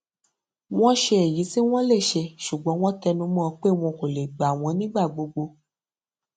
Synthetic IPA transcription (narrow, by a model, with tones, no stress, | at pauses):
w̃ɔ̃˦ʃe˧e˨ji˨˦si˦w̃ɔ̃˦le˦˨ʃe˧ʃu˨ɡ͡bɔ̃˨˦w̃ɔ̃˦tɛ˧nũ˧˦mɔ̃˦˧k͡pe˦˨w̃ɔ̃˧ko˨le˨ɡ͡ba˨a˨w̃ɔ̃˧nĩ˦ɡ͡ba˦˨ɡ͡bo˧ɡ͡bo˧